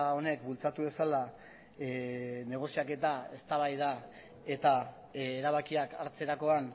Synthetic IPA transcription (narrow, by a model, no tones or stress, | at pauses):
o̞ne̞kbult͡sat̪uβe̞sala | ne̞ɣ̞o̞siake̞t̪ae̞st̪aβ̞ajða | e̞t̪a | eɾaβ̞akiakaɾt͡se̞ɾako̞an